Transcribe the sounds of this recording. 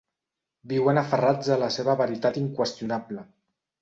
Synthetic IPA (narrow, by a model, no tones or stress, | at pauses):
biwənafərad͡zələseβ̞əβəɾit̪at̪iŋkwəst̪junablə